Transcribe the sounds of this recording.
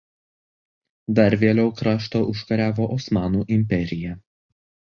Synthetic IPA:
d̪ɐɾʲʋʲeːlʲɛʊkɾɑːʃt̪oːʊʃkɐɾʲæːʋoːʔɔsmɑːnuːʔɪmʲpʲɛɾʲɪjɛ

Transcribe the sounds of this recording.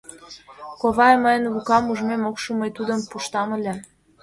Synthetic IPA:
koβɑjəməjə̆nβukɑmuʒmemokʃuməjt̪ud̪ə̆mpuʃt̪ɑmə̆lʲĕ

